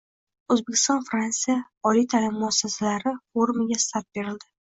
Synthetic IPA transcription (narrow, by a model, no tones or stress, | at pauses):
ɵzbekʲʰːɪ̥st̪ɒnfɾant̪sija | ɒlijt̪ʰalɪmːʊasːasalaɾɪfoɾmɪɡʲast̪aɾt̪̚be̞ɾɪld̪ɪ